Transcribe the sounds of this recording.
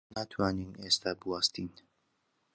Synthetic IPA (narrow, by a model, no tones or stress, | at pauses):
naːt̪ʰwaːniːneːst̪ʰaːbɨwaːst̪in